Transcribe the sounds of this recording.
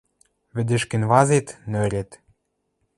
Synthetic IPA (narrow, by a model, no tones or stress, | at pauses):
βɘ̆d̪ɘ̆ʃkɘ̆nβɑzet̪nøɾʲet̪